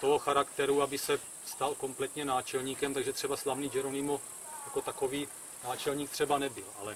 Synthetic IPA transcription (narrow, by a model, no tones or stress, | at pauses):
t̪oɦoxaɾakt̪ɛɾuabɪsɛ | st̪alko̞mplɛt̪ɲɛnaːt͡ʃɛlɲiːkɛmt̪aɡʒɛt̪r̥ɛbaslavniːd͡ʒɛɾonɪmo | jako̞t̪ako̞viː | naːt͡ʃɛlɲiːk̚t̪r̥ɛbanɛbɪlalɛ